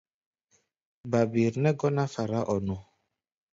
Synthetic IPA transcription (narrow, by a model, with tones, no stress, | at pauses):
ba˨bi˨ɾnɛ˦ɡɔ˦na˦fa˨ɾa˦ʔɔ˨nɔ˨